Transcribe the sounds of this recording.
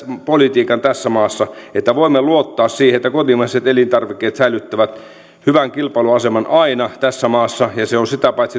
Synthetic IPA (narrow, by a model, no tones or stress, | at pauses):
polit̪iːkɑnt̪æsːæmɑːsːɑet̪ːæʋoimːeluot̪ːɑːssiːheet̪ːækot̪imɑiset̪elint̪ɑrʋikːeːt̪sæilyt̪ːæʋæt̪ | hyʋæŋkilpɑĭluɑsemɑnɑinɑt̪æsːæmɑːsːɑjɑseonsit̪æpɑit̪si